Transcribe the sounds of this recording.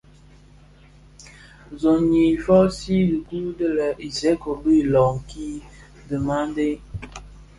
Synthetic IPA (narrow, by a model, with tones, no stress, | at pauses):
zɔ˨ɲi˨fɔ˦si˦di˨ku˦də˦lə˨ʔi˨sɛ˨˦ko˨bi˦˨lɔ˨ŋ̩˨ki˦ | də˨ma˦n˦de˦